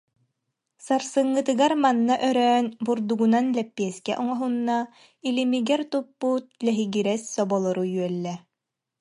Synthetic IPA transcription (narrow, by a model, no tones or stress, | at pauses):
saɾsɯŋːɯt̪ɯɡaɾmanːaʔœɾœːnbuɾd̪uɡunanlɛpːiɛskɛ̰ʔɔŋɔɦunːa | ilimiɡɛɾt̪upːut̪̚lɛɦiɡiɾɛsːɔbɔlˠɔɾujyœlːɛ